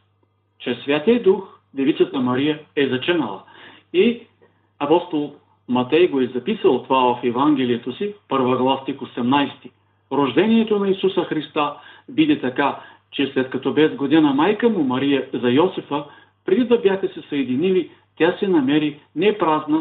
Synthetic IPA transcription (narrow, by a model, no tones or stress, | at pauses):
t͡ʃɛsːvʲjat̪iəd̪ux | d̪ɛvit̪sət̪əmɐɾijəɛzɐt͡ʃɛnəlˠə̰ | i | ɐpɔst̪olˠ | mɐt̪ɛjɡoɛzɐpisəlˠt̪ovavɐfɛvaŋɡ̟ʲɛlijət̪osipɤɾvəɐɡlˠast̪ixosɛmnajst̪i̥ | ɾoʒd̪ɛniɛt̪onɐisusəxɾist̪abid̪ɛt̪ɐka | t͡ʃɛslɛt̪kɐt̪ɔbɛzɡod̪inəmajkəmumɐɾijəzɐjɔsɛfə | pɾɛd̪id̪ɐbjaxəsɛsɐjɛd̪inili | t̪ʲasɛnɐmɛɾinɛpɾaznə